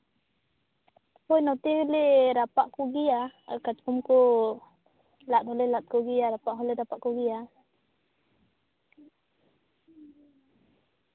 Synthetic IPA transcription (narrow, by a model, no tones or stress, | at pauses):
pɔjnat̪ihleɾapaʔkuɡijaa̰kat͡ʃkumku | lat̪hɔlɛlat̪̚kuɡijaɾapaʔɦɔlɛɾapaʔkuɡija